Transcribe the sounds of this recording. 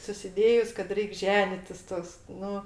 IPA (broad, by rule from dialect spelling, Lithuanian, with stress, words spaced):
sʊsʲɪˈdʲeːjʊs kɐt ˈrʲɛɪkʲ ˈʒʲæːnʲɪtʲɪs ˈtoːks ˈnʊ